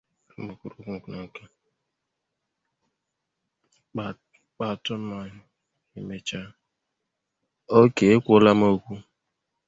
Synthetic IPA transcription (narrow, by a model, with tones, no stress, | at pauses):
bu˨ku˨ɾu˨ku˦ŋ̩˨ku˨na˨ŋ̩˨ka˦ | a˨ | k͡pa˨tʊ˦m̩˦mɔ˦ɲɪ˦ | i˨me˨t͡ʃa˦ | o˦ke˨e˦kʷo˦la˦mo˦˨kʷu˦